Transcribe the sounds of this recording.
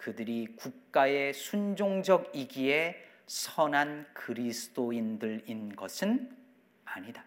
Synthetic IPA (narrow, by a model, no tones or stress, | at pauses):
kɯdɯɾikuk̚k͈ae̞sʰund͡ʑoŋd͡ʑʌɡiɡie̞ | sʰʌnankɯɾisʰɯ̥d̥͈oindɯɾinɡʌsʰɯn | aɲida